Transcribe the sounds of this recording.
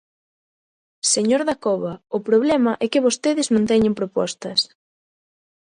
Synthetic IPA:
seɲoɾðakɔβɐʊpɾoβlɛmɐʔɛkɪβost̪eðɪznõnt̪ɛɲempɾopɔ̰st̪ɐs

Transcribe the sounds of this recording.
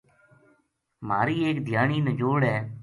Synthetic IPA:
maːɾiːeːkd̪ʱjaːɳiːnəd͡ʒoːɽɦɛː

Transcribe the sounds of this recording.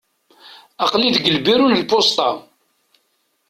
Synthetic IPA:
ɑqliðɡəlbiɾunəlpost̪ˤɑ

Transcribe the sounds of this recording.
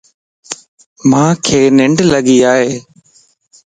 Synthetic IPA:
mãːkʰeːnɪɳɖləɡiːaːɦeː

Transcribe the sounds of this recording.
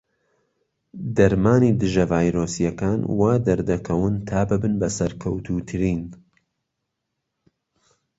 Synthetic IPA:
d̪ɐɾmaːnid̪ɨʒɐvaːjɾoːsijɐkaːnwaːd̪ɐɾd̪ɐkʰɐwɨnt̪ʰaːbɨbɨnbɐsɐɾkʰɐwt̪ʰut̪ʰɨɾiːn

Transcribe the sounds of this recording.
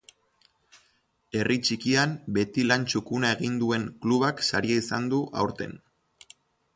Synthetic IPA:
e̞rʔit͡ʃikiambe̞t̪ilant͡ʃukunae̞ɣind̪ue̞ŋkluβaksaɾiaisand̪uʔa̰wɾt̪e̞̰n

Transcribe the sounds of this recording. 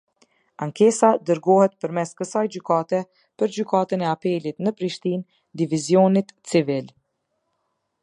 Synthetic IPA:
aŋkɛsad̪əɾɡɔhɛt̪̚pəɾmɛskəsajd͡ʑykat̪ɛ | pəɾd͡ʑykat̪ənɛapɛlit̪nəpɾiʃt̪in | d̪ivizjɔnit̪t͡sivil

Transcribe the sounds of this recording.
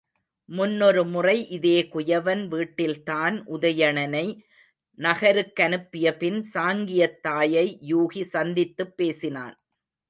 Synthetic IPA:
mʊnːɔɾɯmʊrɐɪʔɪðeːkʊjɐʋɐnʋiːʈːɪlt̪aːnʔʊðɐjɐɳɐnɐɪ | nɐɣɐɾɯkːɐnɯpːɪjɐpɪnsaːŋɡɪjɐt̪ːaːjɐɪjuːɣisɐnd̪ɪt̪ːɯpːeːsɪna̰ːn

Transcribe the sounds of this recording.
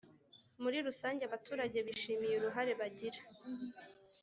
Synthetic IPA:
muɾiɾusaːɲɟeaβatʰuːɾaɟe̞βiʃiːmijuɾuɦaɾe̞βaɟiɾḁ

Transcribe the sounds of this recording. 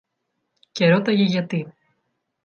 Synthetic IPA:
ce̞ɾot̪ɐʝeʝɐt̪i

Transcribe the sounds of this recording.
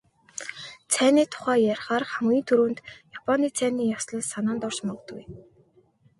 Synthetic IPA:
t͡sʰæːniːt̪ʰʊ̥χæːjaɾχaːrχamɡʲiːnt̪ʰɵɾuːnt̪japʰɔniːt͡sʰæːniːjawsɮə̆ɮsanaːnt̪ɔr̥ʃmɔʁ̆t̪ɡuj

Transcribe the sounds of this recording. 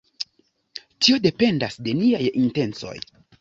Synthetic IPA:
tio̞de̞pe̞ndasde̞niajinte̞nt͡so̞̰j

